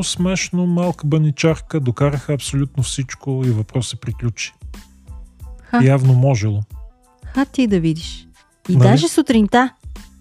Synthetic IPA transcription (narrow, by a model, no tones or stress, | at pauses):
smɛʃnomalˠkəbɐnit͡ʃaɾkəd̪okaɾəxəɐpsolʲut̪nofsit͡ʃkoivɐpɾɔsɛpɾiklʲut͡ʃi̥ | xajavnomɔʒɛlˠo | xat̪id̪ɐvid̪iʃ | id̪aʒɛsʊt̪ɾint̪a